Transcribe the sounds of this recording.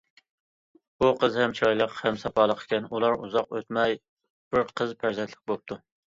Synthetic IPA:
buqəzhɛmt͡ʃʰɑjlˠəqhɛmsɑpʰɑːlˠəqʰe̥kʲɛnulˠɑɾuzɑqø̰t̪mɛj | b̥ɪɾqʰəzpʰæɾzɛnt̪ʰlɪ̥k̚ʲbop̚t̪ʰu

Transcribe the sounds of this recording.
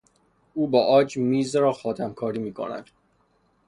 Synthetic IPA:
uːbɒːʔɒːd͡ʒmiːzɾɒːxɒːt̪ʰæmkʰɒːɾiːmiːkʰo̰næ̰d̪̥

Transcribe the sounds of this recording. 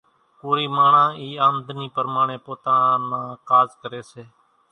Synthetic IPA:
puːɾiːmaːɳãːiːaːmd̪ʱniːpəɾmaːɳẽːpoːt̪ãːnãːkaːzkəɾeːseː

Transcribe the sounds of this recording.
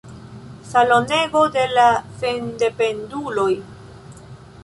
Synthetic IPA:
salo̞ne̞ɡo̞de̞lasende̞pe̞ndulo̞j

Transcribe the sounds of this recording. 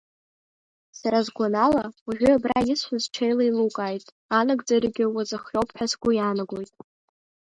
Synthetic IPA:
saɾazɡʷanalaaʒᶣʷʏabrajisʷazt͡ʃʰejlailukʼajtʼ | anɨɡd͡zarɡʲɪwazʼɨχowpʰħasɡʷʊjanaɡʷojtʼ

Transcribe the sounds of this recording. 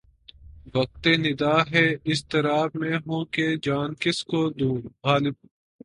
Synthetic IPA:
bɐk̚t̪eːnɪd̪aːɦɛːɪst̪ɐɾaːbmẽɦũːked͡ʒaːnkɪskoːd̪ũːɦaːlɪb̚

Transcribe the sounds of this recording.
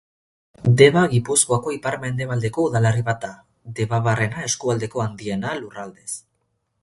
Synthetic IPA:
d̪e̞βaɣipuskoako̞ipaɾme̞nd̪e̞βald̪e̞ko̞uðaleriβat̪̚ːa | d̪e̞βaβare̞nae̞skuald̪e̞ko̞and̪ie̞nalurald̪es

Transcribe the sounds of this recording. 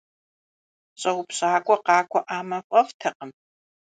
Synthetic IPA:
ɕʼɐwpɕaːkʷʼɔqɑːkʷʰʼɔʔaːmɐfʷʼɐftʰɐqəm

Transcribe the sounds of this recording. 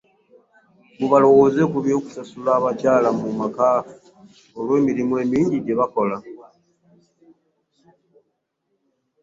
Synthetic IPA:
muβalo̞wo̞ːze̞kuβjo̞ːku̥sasulaːβacaːlamumakaːu | olwe̞ːmiɾimwe̞ːmiːɲɟiɟe̞βako̞la

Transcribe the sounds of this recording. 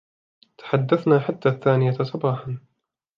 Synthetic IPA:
t̪ḁħad̪ːaθnaːħat̪ːaːθːaːnɪjasˤɑbɑːħan

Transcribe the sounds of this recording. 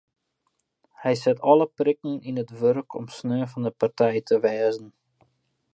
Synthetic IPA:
hɛjsɛtɔləprɪkn̩inətʋørkʰɔ̰msnøːfɑndəpartɛjtʰəʋɛːzən̩

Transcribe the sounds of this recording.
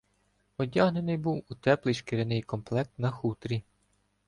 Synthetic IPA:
ɔdʲaɦne̞nɪjbuwut̪ɛplˠɪjʃkeɾenɪjkɔmplˠɛk̚t̪nɐxut̪ɾʲi

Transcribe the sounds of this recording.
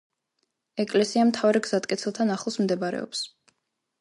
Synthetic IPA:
ɛkʼlɛsiamt̪ʰavɾɛɡz̥at̪ʼkʼɛt̪sʰɛlˠt̪ʰanaχlˠɔsmd̪ɛbaɾɛ̰ɔ̰ps

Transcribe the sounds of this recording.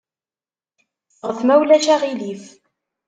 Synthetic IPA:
ʁəθmæwlæʃæʁilif

